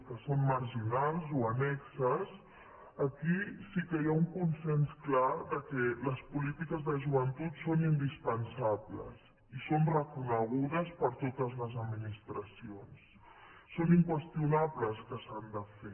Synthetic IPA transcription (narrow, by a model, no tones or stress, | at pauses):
kəsomməɾʒinalˠzuənɛksəs | əkisikəjauŋkunsɛnsklaðəkɛləspulit̪ikəzðəʒuβənt̪ut̪sonind̪ispənsablə̰s | isonrəkunəɣ̞uðəspəɾt̪ot̪əzləzəd̪minist̪ɾəsionsː | oniŋkwəst̪iunaβləskəsand̪əfe